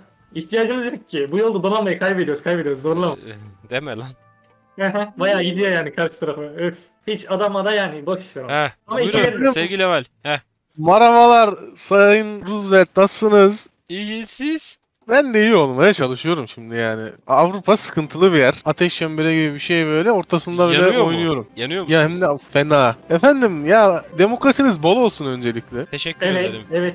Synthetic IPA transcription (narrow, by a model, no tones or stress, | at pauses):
içt̪ʰijaːd͡ʒɯmɯzjokʰːɪbujo̞lˠd̪ad̪onalmajɯkʰajbed̪ioɾuzkʰajbed̪ijo̞ɾuzo̞ɾulˠamd̪emelʲæn | hɛɦɛbajaːɟid̪ijajaːnikʰaɾʃɯt̪ʰaɾafɯɯf | hit͡ʃad̪amad̪ajaːnɪbakɯ̥ʃaɛamaiiesevɡilʲɛvalʲhɛ | maɾavalˠaɾsajjɯnɾuzvæɾt̪̚nasːɯnɯz | iɟisiz̥ | bænd̪eijio̞lˠumeɛt͡ʃʰalˠɯʃɯjo̞ɾumʃimd̪ijaːnɪ̰avɾupʰasɯ̥kʰɯnt̪ʰɯlˠɯbijæɾ̥at̪ʰɛʃːɛmbeɾʲɛɟibibiʃejbø̞jlʲɛo̞ɾt̪ʰasɯnd̪abilʲɛo̞jnujo̞ɾumjanɯjojahɛmd̪ɛfenaːefænd̪imjad̪e̞mo̞kɾasinizbolˠo̞lˠsunø̞nd͡ʒe̞lʲiclʲɛeʃɛcːevɛɛvɛt̪